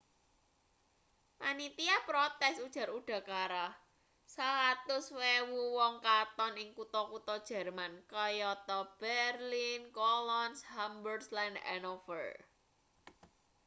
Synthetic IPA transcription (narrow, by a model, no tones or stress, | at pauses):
ʔanit̪iapɾɔt̪ɛsud̥ʒ̥ä̤ɾuɖ̥a̤kaɾah | salat̪ʊswewuwɔŋkat̪ɔnɪŋkut̪ɔkut̪ɔd̥ʒ̥ɛ̤rmankɔjɔt̪ɔb̥ɛrlinkɔlɔnshambərslɛndɛ̰nɔfə̰r